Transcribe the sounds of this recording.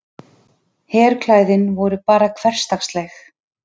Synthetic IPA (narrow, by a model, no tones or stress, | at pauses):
hɛːɾkʰlaːjðɪnvɔɾʏpaːɾakʰv̥ɛr̥st̪axst̪lɛx